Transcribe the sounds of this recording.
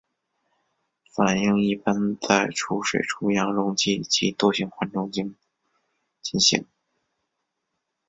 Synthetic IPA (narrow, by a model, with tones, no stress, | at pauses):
fa˨˩ni˥˧ŋi˥˩pa˥nt͡sa˥˩ɪʈ͡ʂʰu˧˥ʂwḛ˨˩ɪʈ͡ʂʰu˥jɑ˧˥ŋɻʊ˧˥ŋt͡ɕi˥˩t͡ɕi˧˥t̪o˥˧ɕi˧˥ŋxwa˧˥nʈ͡ʂʊ˥˧ŋt͡ɕi˥ | t͡ɕi˥˩nɕḭ˧˥ŋ